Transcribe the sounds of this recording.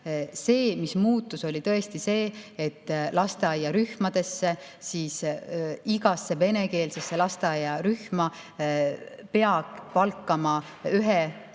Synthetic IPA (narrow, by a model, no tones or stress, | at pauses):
se̞ːmismuːt̪ːˑuso̞lʲit̪ɤ̞e̞st̪ise̞ːt̪ːlɑst̪eɑjːɑɾyhmɑd̪̥e̞sːe̞siːs | iɡ̥ɑsːe̞ve̞ne̞ke̞ːlsesːe̞lɑst̪eɑjːɑɾyhmɑ | pe̞ɑɡ̥pɑlkːˑɑmɑ | yɦe